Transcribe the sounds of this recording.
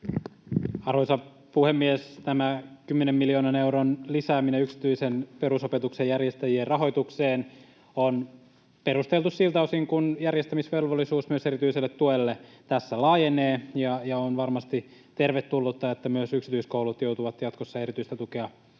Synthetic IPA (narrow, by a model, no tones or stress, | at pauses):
ɑrosɑ | puhemːiest̪æmækymːenemːilioːnɑneuɾonlisæːmineyksi̥t̪yisenpeɾusopet̪uksejærjest̪æjierrɑɦo̞jt̪ukseːn | on | peɾust̪elt̪ussilt̪ɑosiŋkunjærjest̪æmisʋelʋolːisuːsmyøse̞ɾit̪yiselːet̪ːuelːe | t̪æsːælɑːjeneːjɑjɑonʋɑrmɑst̪it̪erʋet̪ːulːut̪ːɑet̪ːæmyøsyksi̥t̪yiskoulut̪jout̪uʋɑt̪jɑt̪kosːɑeɾit̪yist̪æt̪ukeɑ